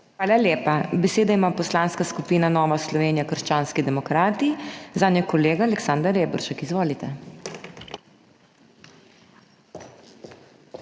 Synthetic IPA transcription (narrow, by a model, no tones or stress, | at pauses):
xʋaːlaljeːpabɛseːd̪aimapɔslaːnskaskupiːnanɔːʋaslɔʋeːnijakəɾʃt͡ʃaːnskid̪ɛmɔkɾaːt̪izaːnjakɔleːɡaːlɛksand̪aɾeːbɔ̰ɾʃakizʋoːlit̪ɛ